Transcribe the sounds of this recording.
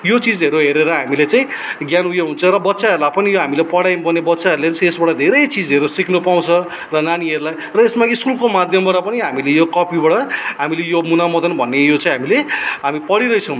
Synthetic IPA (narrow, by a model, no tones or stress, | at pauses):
jot͡sid͡zɦeɾuɦeɾeɾʌɦamilet͡sãj̃ĩɡjanujeɦunt͡sʰʌɾʌbʌt̪ːsaɦʌɾulapʌnijoɦamilepʌɽajnbʌnebʌtːsaɦʌɾulesʰesbaɽʌd̪ʱeɾʌjt͡sid͡zeɾusiknupaw̃t͡sʰʌ | rʌnaniʌɾulaj | rʌesmaiskulkomad̪ʱjʌmbaɽʌpʌniɦamilejokʌpibaɽʌɦamilejomunamʌd̪ʌnbʱʌnːejot͡sãj̃ɦamileɦamipʌɽiɾʌjt͡sʰʌ̃w̃